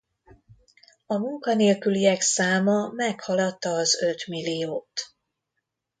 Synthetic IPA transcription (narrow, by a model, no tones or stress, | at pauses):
ɒmuŋkɒneːlkyliɛksaːmɒmɛkhɒlɒt̪ːɒːzø̞t̪milːijoːt̪